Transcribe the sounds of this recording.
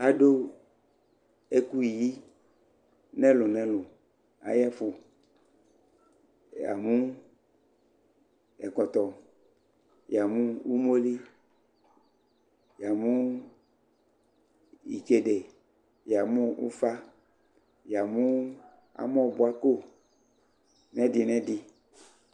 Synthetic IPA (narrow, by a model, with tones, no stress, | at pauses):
a˨do˦ | e˦ku˦i˨ji˦ | nɛ̃˦lʊ˨nɛ̃˦lʊ˨ | a̰˨jɛ˦fʊ˨ | a̰˨mũ˦ | ɛ̰˨kɔ˨t̪ɔ˨ | ja˨mũ˦u˦mo˦li˦ | ja˨mu˦ | ḭ˨t͡ʃe˨de˨ | ja˨mʊ̃˦ṵ˦fa˦ | ja˨mʊ̃˦ | a̰˨m˦ɔ̃˦˨bʊ˨a˦ko˦ | nɛ˦dɪ˨nɛ̃˦dɪ˨